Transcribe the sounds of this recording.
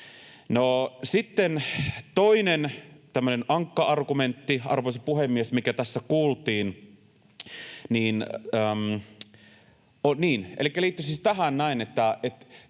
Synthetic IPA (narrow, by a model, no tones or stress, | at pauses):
nosit̪ːent̪oinent̪æmːønenʔɑŋkːɑʔɑrɡument̪ːiɑ̰rʋoisepuhemːiesmikæt̪æsːækuːlt̪iːn | niːnəːm | ʔoniːnʔḛlikːæliːt̪ːysist̪æɦænnæinet̪ːæet̪